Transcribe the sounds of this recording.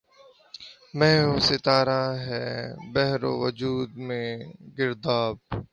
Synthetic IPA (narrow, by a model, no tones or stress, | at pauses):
mɛːoːsɪt̪aːɾaːɦɛːbɛɦɾo̰ːʋəd͡ʒuːd̪mẽɡɪɾd̪aːb̚